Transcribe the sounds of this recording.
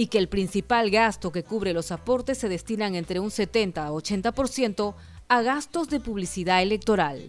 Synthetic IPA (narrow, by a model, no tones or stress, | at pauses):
ike̞ːlpɾinsipalɣast̪o̞ke̞kuβɾe̞lo̞sapo̞ɾt̪e̞sːe̞ðe̞st̪inaŋe̞nt̪ɾe̞unse̞t̪e̞nt̪aot͡ʃe̞nt̪apo̞ɾsje̞nt̪o̞ | aɣast̪o̞zðe̞puβ̞lisiðaele̞k̚t̪o̞ɾal